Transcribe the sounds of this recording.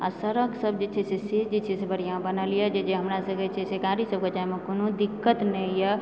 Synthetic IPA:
a̰səɾəɡsəbd͡ʒet͡ʃʰɛsesed͡ʒet͡ʃʰɛsebəɽ̤ijãbənəlijed͡ʒed͡ʒeɦəmɾasəɡɛt͡ʃʰesekaɾisəb̚ket͡ʃajmekonod̪ikːət̪nəijə

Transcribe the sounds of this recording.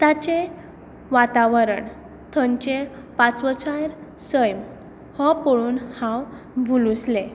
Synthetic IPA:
t̪at͡ɕe | ʋat̪aʋəɾəɳ | t̪ʰəɲt͡ɕe | pat͡sʋət͡ɕajɾ | səjm | hɔpɔɭuːnhãw | bʱulusle

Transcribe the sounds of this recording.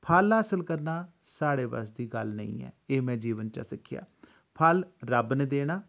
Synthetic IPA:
pʰəlɦaːsəlkəɾnaː | saːɽeːʋə̰sd̪iːɡəlnə̰ḭ̃ːɛ̰ːeːmɛ̃ːd͡ʒiːʋənt͡ʃa̰ːsɪkʰːɪja̰ː | pʰəlɾəbned̪eːɽ̃aː

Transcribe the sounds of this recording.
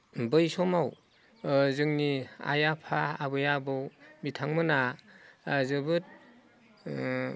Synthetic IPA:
bɯjsɔmaw | zɯŋnia̰japʰaabɯjabɯwbitʰaŋmɯna | zɯbɯt̚

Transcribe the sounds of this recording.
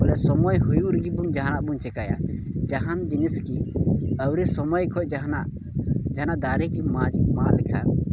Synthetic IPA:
ɔlɛsɔmɔjɦujuuɾɡibumd͡ʒaɦanaʔbuɲt͡ʃɛkaja̰d͡ʒaɦand͡ʒiniskiəwɾisɔmɔjkʰɔˀd͡ʒaɦanaʔ | d͡ʒaɦnaʔd̪aɾikiamalkʰa

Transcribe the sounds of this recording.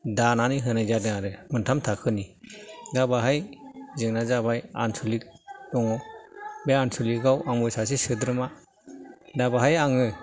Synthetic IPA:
dananiɦɯnajzadɯŋaɾɯmɯntʰamtʰakʰɯnidabaɦajzɯŋnazabaja̰nsulik̚ɔŋɔbeansuliɡawaŋmɔjsas̬esɯdɾɯma | dabaɦajaŋɯ

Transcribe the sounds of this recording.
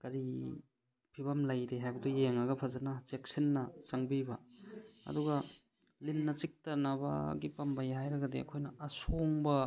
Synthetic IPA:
kɐɾi | pʰibɐmlɐjɾeɦajbɐdujeŋɐɡɐpʰɐzɐnɐt͡ʃek̚sinːɐt͡ʃɐŋbibɐɐ̰duɡɐ | linːɐt͡ʃik̚tɐnɐbɐ̰ɡipɐmbɐjɦajɾɐɡɐdiɐ̰kʰojnɐɐsoŋbɐ

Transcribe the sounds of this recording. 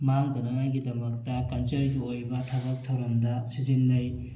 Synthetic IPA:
maŋdɐnaŋajɡidɐmɐk̚tɐkɐnt͡ʃɐɾɡiojbɐtʰabɐk̚tʰɐwɾɐmdɐsizinːaj

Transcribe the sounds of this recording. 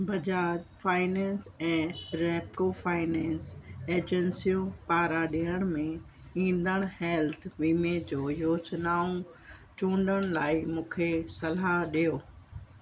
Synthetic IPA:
bʱɐd͡ʑaːɾfaːɪnɛ̃ːnsɛ̃ːɾɛːpofaːɪnɛ̃ːnseːd͡ʑənsijũpaːɾaɗijəɽ̃mẽ | ĩːn̆d̪əɽ̃hɛːlt̪ʰʋiːmed͡ʑoːjoːsnaːũ | t͡ɕũːɳɖəɽ̃laːimũːkʰesɐlaɗijoː

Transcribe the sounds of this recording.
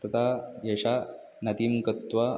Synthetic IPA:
t̪ɐt̪ajɐʂa | nɐt̪imkɐt̪ʋa

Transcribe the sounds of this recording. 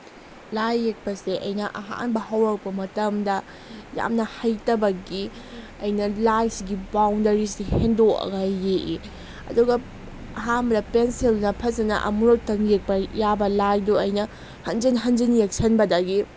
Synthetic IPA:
lajːek̚pɐseʔɐjnɐʔɐɦa̰nbɐhɐwɾɐk̚pɐmɐtɐmdɐ | ja̰mnɐhɐjtɐbɐɡi | ɐjnɐlajsiɡibawndɐɾisihendoɐ̰ɡajːeʔi | ɐ̰duɡɐ | ɐɦambɾɐpenselnɐpʰɐzɐnɐ̰ʔɐ̰muɾok̚tɐŋek̚pɐjabɐlajduɐjnɐ | hɐnd͡ʒinɦɐnd͡ʒinjek̚sʰɐnbɐdɐɡi

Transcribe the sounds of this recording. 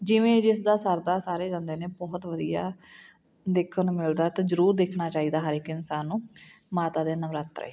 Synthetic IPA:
d͡ʒɪʋẽːd͡ʒɪsd̪aːsəɾd̪aːsaːɾeːd͡ʒãːnd̪eːneːbɔːt̪ʋəd̪ija̰ː | d̪ɪkʰːənmɪld̪aːt̪aːzəɾuːɾd̪eːkʰnaːt͡ʃaːiːd̪aːɦəɾɪkɪnsaːnːũːmaːt̪aːd̪eːnəʋɾaːt̪ɾə̰ḛː

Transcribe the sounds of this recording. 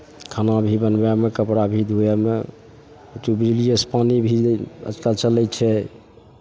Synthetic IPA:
kʰanabʱibənbamekəpɾabʱid̪ʱujɛme | tubɾilijəspanibʱiə̰t͡ʃkəlt͡ʃəlɛjt͡ʃʰɛ

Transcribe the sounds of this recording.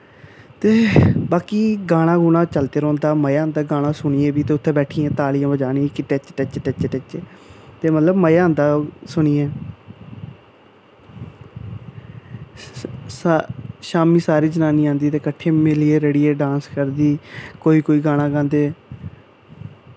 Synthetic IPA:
t̪eːbaːkiːɡaːɽ̃ãːɡuːñaːt͡ʃəlt̪eːɾɔ̃ːnd̪aːməjaːnd̪aːɡaːɽ̃ãːsʊɳiːẽːbiːt̪eːʊt̪ʰːẽːbɛːʈʰiːãːt̪aːlijãːbəd͡ʒaːniːkiʈet͡ʃʈɛt͡ʃːʈɛt͡ʃːʈɪt͡ʃeːt̪eːmət̪ləbməjãːnd̪aːsʊɳ̃iːeː | sʃaːmiːsaːɾiːd͡ʒənaːniːãːnd̪iːt̪eːkəʈʰːeːmɪlieːɾəɽiːeːɖãːnskəɾd̪iːkoːiːkoːiːɡãːɽ̃ãːɡãːnd̪eː

